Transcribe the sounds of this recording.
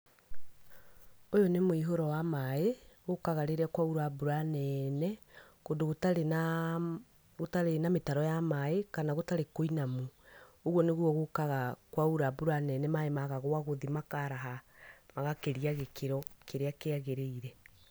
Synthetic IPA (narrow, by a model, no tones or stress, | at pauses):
ojɔnemoiɦoɾɔwamaeɣokaɣaɾeɾɛakwauɾabuɾanɛːnɛ | kodoɣota | ɣotaɾenametaɾɔjamaekanaɣotaɾekoinamuoɣwɔneɣwɔɣokaɣakwauɾabuɾanɛːnɛmaemaɣaɣoaɣoðimakaɾaɦamaɣakeɾiaɣekeɾɔkeɾeakeaɣeɾeiɾɛ